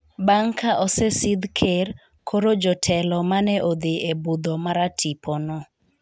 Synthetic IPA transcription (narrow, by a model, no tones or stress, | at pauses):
baŋkaʔɔsesɪd̪kʰer | kʰoɾod͡ʒɔtʰɛlɔmanɛʔod̪eebud̪omaɾatʰipʰɔnɔ